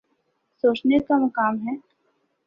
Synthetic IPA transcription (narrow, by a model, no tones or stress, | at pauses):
soːt͡ʃnekamʊkaːmɦɛː